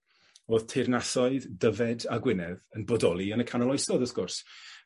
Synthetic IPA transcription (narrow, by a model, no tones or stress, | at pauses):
oːð̥tʰernasɔɨðdəvɛdaɡwɪnɛðənbɔdɔlˠiənəkʰanɔlˠɔjsɔðɔθɡ̥ʊrs